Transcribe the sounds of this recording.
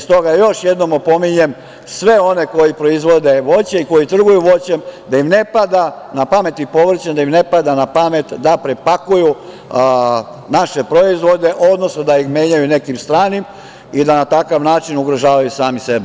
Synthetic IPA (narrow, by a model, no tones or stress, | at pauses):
ist̪o̞ɡajo̞ʃjed̪no̞mopo̞miɲe̞m | sʋe̞o̞ne̞ko̞jipɾo̞izʋo̞d̪e̞ʋo̞t͡ɕeiko̞jit̪r̩ɡujuʋo̞t͡ɕemd̪ajimne̞pad̪a | napame̞t̪ipo̞ʋr̩t͡ɕend̪aimne̞pad̪anapamet̪d̪apɾepakuju | naʃe̞pɾo̞izʋo̞d̪e̞ʔo̞d̪no̞snod̪aixme̞ːɲajune̞kimst̪ɾaːnim | id̪anat̪akaʋnaːt͡ʃinuɡɾoʒaːʋajusaːmisebe